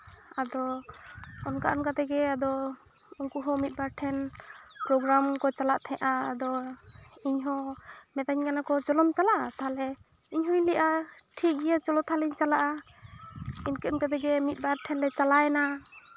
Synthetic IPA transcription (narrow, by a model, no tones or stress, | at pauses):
ad̪ɔ | ɔnka̰ʔɔnkat̪ɛɡɛad̪ɔ | ɔŋkuɦɔ̃mit̪̚ˀbaɾʈʰɛnpɾɔɡɾamkɔt͡ʃalaʔt̪ʰɛ̃ʔaːd̪ɔ | iɲɦɔ̃mɛt̪aɲkanakɔt͡ʃɔlɔmt͡ʃalaʔat̪aɦalɛ | iɲɦɔjlɛʔaʈʰik̚ijat͡ʃɔlɔt̪ʰaliɲt͡ʃalaʔa | inkɛɔnkat̪ɛɡɛmit̪̚baɾʈʰɛnɾɛt͡ʃalajna